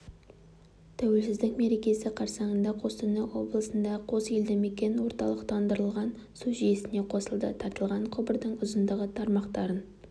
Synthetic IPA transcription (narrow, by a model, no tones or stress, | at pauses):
t̪ʰæwe̞lsɪzd̪ɪkme̞ɾe̞kʲe̞sɪqʰɑɾsɑɴənd̪ɑqʰo̞st̪ʰʏnəwo̞blˠəsənd̪ɑqʰo̞seld̪ɪme̞kʲe̞nwo̞ɾt̪ɑ̰lˠəqt̪ʰɑnd̪əɾəlˠʁɑn | suʒije̞sɪne̞qʰo̞səlˠd̪ət̪ʰɑɾt̪əlˠʁɑɴqʰʊbəɾd̪əɴʊzənd̪əʁət̪ʰɑɾmɑqt̪ɑɾən